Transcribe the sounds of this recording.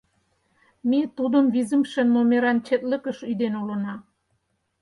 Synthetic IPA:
mit̪ud̪əmβizə̆mʃenːomeɾɑnt͡ɕet̪lə̆kə̆ʃyd̪enulə̆nɑ

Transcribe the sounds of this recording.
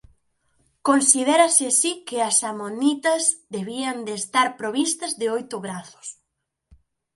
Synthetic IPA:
konsiðɛɾɐsɪsikɪɐsamonit̪ɐzd̪eβiɐnd̪eːst̪aɾpɾoβist̪ɐzðɪojt̪ʊβɾaθʊ̥s

